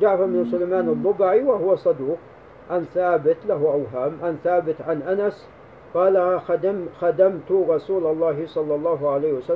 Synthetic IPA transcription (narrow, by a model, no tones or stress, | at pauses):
d͡ʒaʕfamɪnsʊlajmaːnɑd̪ˤːʊbaʕiwaɦʊwasˤɑd̪uːq | ʕanθaːbɪt̪laɦuʔawɦaːmʕanθaːbɪt̪ʕanʔanas | qɑːlad̪xad̪amt̪ʊɾˤɑsuːlɑlˤːɑːɦɪsˤɑlːɑlˤːɑːɦʊʕalaːhwasa